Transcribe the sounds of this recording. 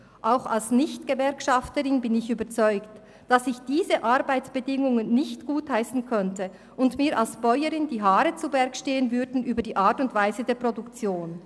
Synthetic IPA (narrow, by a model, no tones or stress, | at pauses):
ʔaʊxa̰lsnɪçtɡ̥əvɛɐkʃɑftəʁɪnbɪnɪçyːbɐt͡sɔʏkt | d̥asɪçd̥iːzəʔaɾbaɪt͡sb̥ədɪŋʊŋənːɪçtɡ̥uːthaɪsn̩kʰœntə | ʔʊndmiːɐɾʔalsb̥ɔʏəɾɪndiːɦaːɾət͡subɛɐkʃteːənvʏɐdn̩ʔyːbɐdiːʔaːɐtʊntv̥aɪzədeːɐpʁ̥odʊkt͡sjoːn